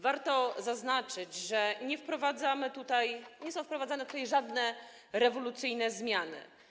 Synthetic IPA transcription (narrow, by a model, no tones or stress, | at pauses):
vaɾt̪ɔzaznat͡ʂɘd͡ʑʐɛɲɛfpɾɔvad̪zamɘt̪ut̪ajɲɛsɔ̃w̃fpɾɔvad̪zanɛt̪ut̪ajʐad̪nɛ | ɾɛvɔlut̪sɘjnɛzmʲjanɘ̰